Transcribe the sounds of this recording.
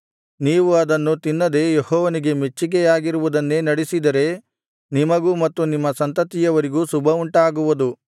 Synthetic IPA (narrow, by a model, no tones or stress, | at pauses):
niːʋuɐd̪ɐnːut̪inːɐd̪e̞jehɔːʋɐniɡe̞met͡ʃːikɛjaːɡiɾuʋud̪ɐnːe̞ːnɐɽisid̪ɐɾe̞ | nimɐɡuːmɐt̪ːunimːɐsɐnt̪ɐt̪ijɐʋɐɾiɡuːsubʱɐuɳʈɐaːɡuʋud̪u